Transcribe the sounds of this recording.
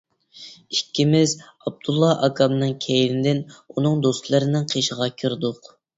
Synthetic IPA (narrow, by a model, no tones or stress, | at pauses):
ikʲʰːimɪz | ɑb̚d̪̥ulˠːɑʔɑkʰɑmnɨŋkʲʰɛjnɪd̪ɪnunɨŋd̪ost̪lˠɨɾɪnɪŋqʰeʃəʁɑkʲʰiɾd̪ʊq